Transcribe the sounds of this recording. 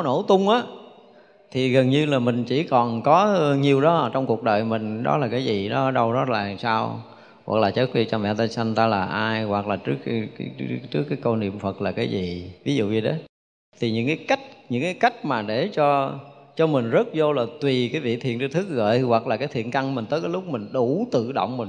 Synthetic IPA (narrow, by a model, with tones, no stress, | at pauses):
ɔ˦no̰˧˩t̪ʊ˧wŋ͡mʔaː˨˦ | t̪ʰi˨˩ɣə˨˩nɲɨ˧laː˨˩mï˨˩ŋ̟t͡ɕi˧˩kɔ˨˩nkɔ˨˦˧ɲi˨˩əwɗɔ˨˦˨t͡ɕɔ˧wŋ͡mku˨˩ək̚ɗəː˨˩jmï˨˩ŋ̟ɗɔ̰˨˦laː˨˩kaː˨˦jzi˨˩ɗɔ˨˦˧ɗə˧wɗɔ˨˦laː˨˩saː˧w | ɣwa̰˨˩k̚laː˨˩t͡ɕə˦˥t̚vi˧˩t͡ɕɔ˧mvɛ̰˧˨˧t̪aː˧jsa˧ŋt̪aː˧laː˨˩ʔaː˧jɣwa˨˩k̚laː˨˩t͡ɕɨ˦˥əkt͡ɕɨ˦˥əkːaː˨˦kə˧wnḭ˧˨əmfə˨˩t̚laː˨˩kaː˨˦jzi˨˩vi˨˦zṵ˧˨vi˨˩ɗə˨˦ | t̪ʰi˨˩ɲɨ̰˧˥ŋkaː˨˦jka˦˥jk̟̚ɲɨ̰˧˥ŋkaː˨˦jka˦˥jk̟̚maː˨˩ɗe˧˩t͡ɕɔ˧t͡ɕɔ˧mï˨˩ŋ̟zə˦˥t̚zo˧laː˨˩t̪wi˨˩kaː˨˦jvḭ˧˨t̪ʰḭ˧˨ənt͡ɕɨ˧t̪ʰɨ˦˥k̚ɣə̰ː˧˨jwa˨˩k̚laː˨˩kaː˨˦jt̪ʰḭ˧˨ənka˧ŋmï˨˩ŋ̟t̪əː˨˦jkaː˨˦lʊ˦˥k͡p̚mï˨˩ŋ̟ɗu˧˩˦t̪ɨ̰˧˨ɗo̰˧˨wŋ͡mmï˨˩ŋ